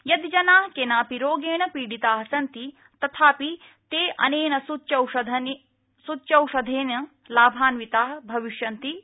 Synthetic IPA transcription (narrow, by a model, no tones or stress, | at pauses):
jɐd̪d͡ʒɐnaːɦkenaːpiɾoːɡeːɳɐpiːɽit̪aːɦɐsɐnt̪i | t̪ɐt̪ʰaːpi | t̪eːʔɐ̰neːnɐsut͡ʃɐwʃɐd̪ʱɐn | sutːt͡ʃɐwʂɐd̪ʱeːnɐ | laːbʱaːnʋit̪aːɦbʱɐʋiʃjɐnt̪i